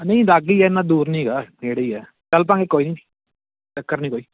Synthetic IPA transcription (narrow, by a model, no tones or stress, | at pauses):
nə̃ĩlaːɡiːɛːnːãːd̪uːɾnĩːɡaːd͡ʒeːɽiːɛː | t͡ʃəlp̬ãːŋɡeːkoːiːnĩ̥ː | t͡ʃəkːəɾnĩːkoːiː